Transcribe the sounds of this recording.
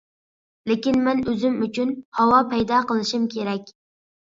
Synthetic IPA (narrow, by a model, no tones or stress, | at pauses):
lekʲinmɛnøzɪmyt͡ʃʰynhɑwɑpʰɛjd̪ɑqəlˠɪʃimkʲʰeɾɛkʲ